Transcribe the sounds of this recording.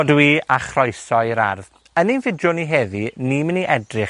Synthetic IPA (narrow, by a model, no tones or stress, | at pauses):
dwiaχrɔjsɔɨɾa̰rð | əninvɪdʊniɦeːðinimɪniʔɛdrɪχ